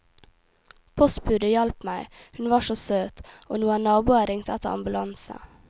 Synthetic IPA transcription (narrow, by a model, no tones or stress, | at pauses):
pʰɔst̪̚bʉːd̪əjɑlpmæɪhʉnʋɑːʃoːsøːt̪o̰ːnuːənɑːbuːɑɾɪŋt̪əæt̪ə̰ɑ̰mbʉlɑnsə̰